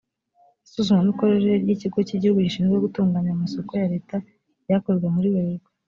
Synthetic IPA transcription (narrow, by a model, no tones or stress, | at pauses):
isuzumamiko̞ɾeɾeɾɟiciɡo̞ciɟihuɡuɟiʃiːnzɡeɡutuːŋɡaːɲaumaso̞ko̞jaɾe̞ːta | jakoɾwe̞muɾiweɾɡo